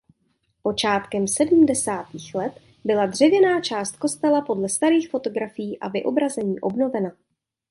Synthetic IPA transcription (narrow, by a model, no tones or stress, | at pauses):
po̞t͡ʃaːt̪kɛmsɛdm̩dɛsaːt̪iːxlɛt̪ | bɪladr̝ɛvjɛnaːt͡ʃaːst̪̚ko̞st̪ɛlapo̞dlɛst̪aɾiːxfo̞t̪o̞ɡɾafɪjiːʔavɪʔo̞bɾazɛɲiːʔo̞bno̞vɛna